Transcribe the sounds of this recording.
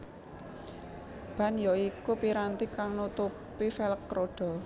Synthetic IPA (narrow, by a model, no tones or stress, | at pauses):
b̥ä̤njɔikupiɾant̪ikaŋnut̪upifɛlkːɾoɖ̥ɔ̤